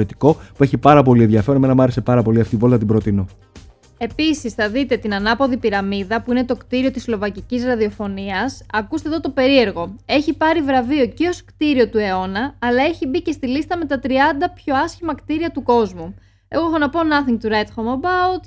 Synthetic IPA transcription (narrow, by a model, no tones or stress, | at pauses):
ot̪i̥ko̞pue̞çipɐɾɐpo̞lienðʝɐfe̞ɾonemenɐmɐɾe̞se̞pɐɾɐpo̞liɐft̪ivo̞lt̪ɐt̪ibɾo̞t̪ino̞ | e̞pisisθɐðit̪e̞t̪inɐnɐpo̞ðipiɾɐmiðɐpuine̞t̪o̞kt̪iɾio̞t̪islo̞vɐcicisɾɐðio̞fo̞niɐsɐkust̪eðo̞t̪o̞pe̞ɾie̞ɾɣo̞e̞çipɐɾivɾɐvio̞ceo̞skt̪iɾio̞t̪ue̞o̞nɐːlɐe̞çibice̞st̪ilist̪ɐme̞t̪ɐt̪ɾiɐnd̪ɐpço̞ɐsçimɐkt̪iɾiɐt̪uko̞zmu | eɣoxonɐpoːnɐθiŋɡ̚t̪uɾet̪xomobɐut̪